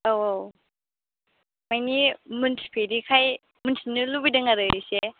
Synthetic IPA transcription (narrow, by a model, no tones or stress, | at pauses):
awow | majnimuntʰi̥pʰeɾikʰaj | munsʰinɯlubidaŋaɾɯɾise